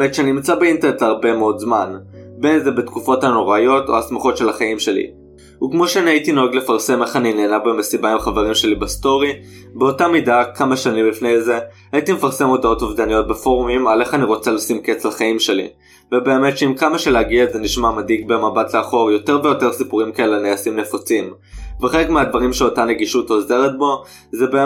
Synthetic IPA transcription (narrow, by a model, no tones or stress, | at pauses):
metʃeaninimt͡sabeintenetaʁbe̞meo̞dzmanbe̞nzebetkufo̞tano̞ʁajo̞to̰asmaχo̞tʃe̞laχaimʃe̞lḭ | ukmo̞ʃeaniaitinoaɡle̞faʁse̞me̞χanine̞ːnabemesibaimχave̞ʁimʃe̞libesto̞ʁi | beo̞tamidakamaʃanimlifne̞jze̞ | ajitimefaʁse̞mo̞dao̞tovdanijo̞t̚befo̞ʁumimale̞χaniʁo̞t͡salosimket͡slaχaimʃe̞lḭ | vebe̞ːmetʃeimkamaʃeleaɡiaetzeniʃmamadikbe̞mabatleaχo̞ʁjo̞te̞ʁvejo̞te̞ʁsipuʁimkaelaniasimne̞fot͡sim | veχelekmeadvaʁimʃeo̞tane̞ɡiʃuto̞ze̞ʁet̚bo̞ | zebe